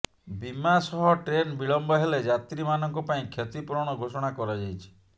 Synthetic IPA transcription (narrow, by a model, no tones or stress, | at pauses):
bimasɔɦɔʈɾenbiɭɔmbɔɦeled͡ʒat̪ɾimanɔŋkɔpaĩkʰjet̪ipɔɾɔɽ̃ɔɡʱosɔɽ̃akɔɾɔd͡ʒajt͡ʃʰi̥